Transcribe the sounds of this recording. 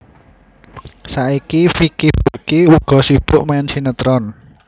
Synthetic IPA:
saʔikifikihb̥urkiuɡ̥ɔ̤sib̥ʊʔmaɛnsinət̪ɾɔn

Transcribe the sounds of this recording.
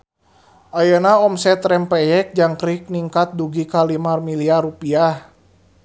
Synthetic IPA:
ʔajanaɔmsɛt̪ɾɛmpɛjɛk̚d͡ʒaŋkɾik̚niŋkat̪̚duɡikalimarmiliaɾupiah

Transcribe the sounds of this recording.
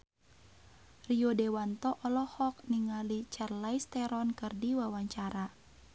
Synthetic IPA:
riodɛwant̪ɔʔɔlɔhɔk̚niŋalit͡ʃɛrlajst̪ɛɾɔnkɨrdiwawaɲt͡ʃaɾa

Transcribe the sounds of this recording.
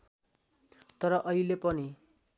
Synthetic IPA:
t̪ʌɾʌʔʌilepʌni

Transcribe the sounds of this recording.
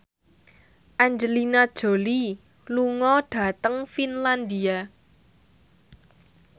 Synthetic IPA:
ʔaɲd͡ʒəlinad̥ʒ̥o̤li | luŋɔɖ̥ä̤t̪əŋfinland̪ia

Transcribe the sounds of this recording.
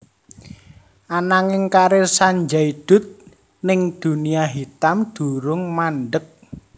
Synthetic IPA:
ʔanaŋɪŋkaɾɪsaɲd͡ʒaid̪̥ʊ̤t̪̚ | nɪŋd̪̥ṳniaɦit̪amd̪̥ṳɾʊŋmanɖək̚

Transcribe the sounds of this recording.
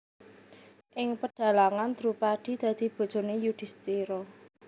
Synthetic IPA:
ʔɪŋpəɖ̥a̤laŋant̪əɾupad̪̥i̤d̪̥ä̤d̪̥i̤b̥o̤̥d͡ʒ̥o̤nejud̪̥i̤st̪iɾɔ

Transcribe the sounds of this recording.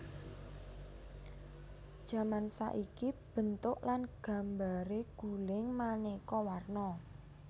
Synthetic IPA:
d̥ʒ̥ä̤mansa̰ʔikib̥ə̤nt̪ʊʔlanɡ̥a̤mbaɾeɡ̥ulɪŋmanekɔwarnɔ

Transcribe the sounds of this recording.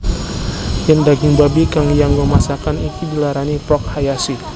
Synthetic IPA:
jandaɡiŋbabikaŋjaŋɡɔmasakanit̪udilaɾanipɔk̚hajasi

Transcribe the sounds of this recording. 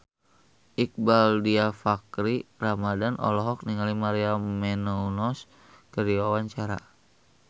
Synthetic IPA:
ʔik̚baldiafakɾiramadanʔɔ̰lɔɦɔk̚niŋalimaɾiamɛnɔunɔs | kərdiwawaɲt͡ʃaɾa̰

